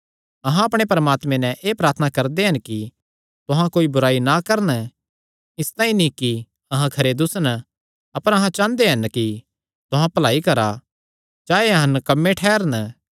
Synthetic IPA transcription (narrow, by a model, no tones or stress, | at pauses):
ɐɦãɐpɽ̃epɐɾəmaːt̪mẽnɛ̃ʔeːpɾaːɾt̪ʰnakɐɾd̪eɦɐnki | t̪ʊɦãkoːibʊɾaːinakɐɾən | ɪst̪ãːĩniki | ɐɦãkʰɐɾed̪ʊsən | ɐpəɾɐɦãt͡ʃãːnd̪eɦɐnki | t̪ʊɦãpɐlaːikɐɾa | d͡ʒaːeɐɦɐ̃nkɐmːẽʈʰɛːɾən